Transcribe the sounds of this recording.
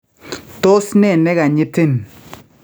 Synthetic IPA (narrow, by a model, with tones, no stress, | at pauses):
to˦sne˦˨nɛ˦ɡa˨ɲɪ˦te˦n